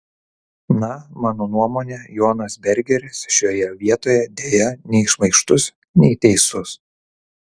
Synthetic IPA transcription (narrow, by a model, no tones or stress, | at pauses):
nɐmɑːnoːnuɔmoːnʲejoːnɐsbʲɛɾʲɡʲɛɾʲɪsʃʲoːjɛʋʲiɛt̪oːjɛd̪ʲeːjɛnʲɛɪʃmɐɪʃt̪ʊs | nʲɛɪt̪ʲɛɪsʊs